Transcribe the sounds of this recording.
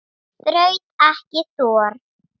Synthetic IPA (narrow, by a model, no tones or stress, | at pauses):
θɾœɥt̪ɛhcɪθɔːɾ̥